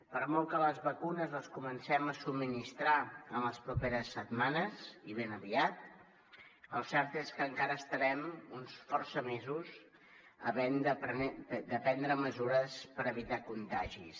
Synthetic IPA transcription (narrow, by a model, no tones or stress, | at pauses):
pəɾmɔlˠkələzβəkunəzəskumənsɛməsubmːinist̪ɾaəmləspɾupeɾəsːət̪manəziβ̞enəβiat̪̚ | əlˠsɛɾt̪eskəŋkaɾəːst̪əɾɛmunsfɔrsəmezuz | ə̰βɛnd̪əpd̪əpɛnd̪ɾəməzuɾəspəɾəβit̪akunt̪aʒḭs